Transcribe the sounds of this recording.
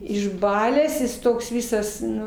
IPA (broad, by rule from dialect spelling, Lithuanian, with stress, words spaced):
ɪʒˈbɑːlʲæːs ˈjɪs toːks ˈʋʲɪsɐs ˈnʊ